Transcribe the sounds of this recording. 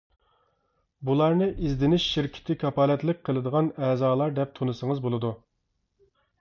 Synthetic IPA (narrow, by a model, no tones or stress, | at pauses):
bulˠɑɾnɨʔizd̪ɪnɪʃːiɾkʲʰɪ̥t̪ʰɪkʰɑpɑːlɛt̪lɪk̚ʲqʰːəlˠɨd̪əʁɑnɛːzɑːlˠɑɾd̪ɛp̚t̪ʰonɨsəŋəzbolˠɨd̪u